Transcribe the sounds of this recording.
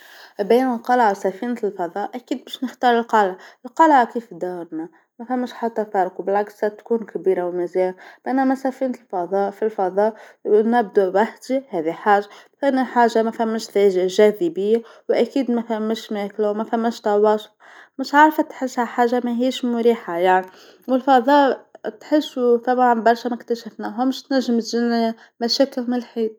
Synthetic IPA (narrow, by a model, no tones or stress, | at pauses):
biːnəlqɑləʕwsæfinlfɑðˤɑːʔʔækiːd̪̚bæʃnəxt̪ɑːɾˤəlqɑlʕəlqɑlʕkiːfd̪awɑɾna | mæfæmːəʃħat̪ːæfɑɾˤqubɪlʕɑkssæt̪kuːnkbiːɾawmɪzæːʕab̥ʔænːæmæsæfinəlfɑðˤɑːfilfɑðˤɑːʔnæb̚d̪uwaħd̪ihɛːðiħaːʒːamθnaħaːʒamæfæmːɪʃðæʒʒæːðibɪjːawʔækiːd̪mæθalanmːɪʃmæːklawmæfæmːɪʃt̪ɑwɑːsʊ̥f | mɪʃʕaɾˤfat̪ħɪshaħaːʒːamæɦiːʃmʊɾiːħajaʕni | wɪlfɑðˤɑːʔt̪ħɪsːuθabʕnbɑɾˤʃamakt̪aʃafnaɦʊmɪʃt̪næʒːɪmt̪ʒina | mæʃæːkɪlmɪlħiːd̪̚